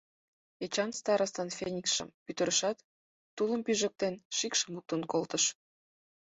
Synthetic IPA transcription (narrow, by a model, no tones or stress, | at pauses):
et͡ɕɑnst̪ɑɾɑst̪ɑnfʲenʲikʃə̰mpyt̪ə̆ɾəʃɑt̪ː | uləmpyʒə̆k̚t̪enʃikʃə̆muk̚t̪onkolt̪əʃ